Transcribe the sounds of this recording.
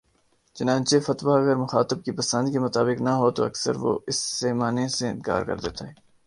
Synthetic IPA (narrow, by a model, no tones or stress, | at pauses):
t͡ʃɐnãːt͡ʃefɐt̪ʋaɐɡəɾmʊxaːt̪ɪb̚kipɐsə̃nd̪kemʊt̪aːbɪknɐɦot̪o̰ɐ̰ksə̰ɾʋo̰ɪsːeːmaːneseɪ̰̃nka̰ːɾkɐ̰ɾd̪ḛːt̪aɦɛː